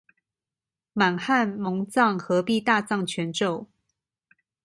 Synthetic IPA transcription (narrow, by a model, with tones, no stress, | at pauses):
ma˨˩nxa˥˨nmɤ˧˥ŋt͡sɑ˥˨ŋxɤ˧˥pi˥˧t̪a˥˧t͡sɑ˥˩ŋt͡ɕʰɥɛ˧˥nʈ͡ʂo˥˨˩ʊ